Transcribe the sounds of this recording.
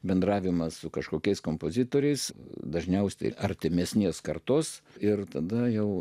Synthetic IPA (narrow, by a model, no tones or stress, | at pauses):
bʲɛnd̪rɑːʋʲɪmɐssʊkɐʃkoːkʲɛɪskoːmpoːzʲɪt̪oːɾʲɛɪsd̪ɐʒʲnʲɛʊsʲɛ̰ɐɾʲt̪ʲɪmʲɛsʲnʲiɛskɐrt̪oːsɪrt̪ɐd̪ɐjɛʊ